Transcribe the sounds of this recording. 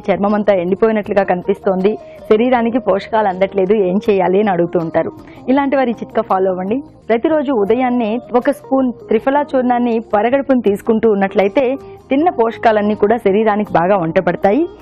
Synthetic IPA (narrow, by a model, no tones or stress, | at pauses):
t͡ʃɐɾmɐmɐnt̪ɐeɳɖipoːjinɐʈluɡaːkɐnipist̪o̞ːnd̪i | ʃɐɾiːɾaːnik̬ipɔːʂɐ̥kaːlɐnd̪ɐʈle̞ːd̪ueːɲt͡ʃɛːjaːliɐniɐɽuɡut̪uːɳʈaːɾu | ilaːɳʈiʋɐɾit͡ʃit̪kɐpʰaːloːɐʋɐɳɖi | pɾɐt̪iɾo̞ːd͡ʒuːd̪ɐjaːnːiɔkɐspuːnt̪ɾipʰɐlaːt͡ʃuːɾnaːnːipɐɾɐɡɐɽipunit̪iːsu̥kuɳʈuːnːɐʈlɐjt̪e̞ːt̪inːɐpɔːʂɐ̥kaːlɐnːiːkuːɽaːʃɐɾiːɾaːnikibaːɡaːɐɳʈɐpɐɽɐt̪aːji